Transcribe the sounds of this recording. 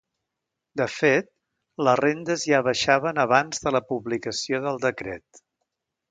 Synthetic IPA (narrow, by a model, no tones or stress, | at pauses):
d̪əfet̪̚ | lərend̪əzʒaβəʃaβ̞ənəβanzðələpuβlikəsioðəlˠd̪əkɾɛ̰t̪̚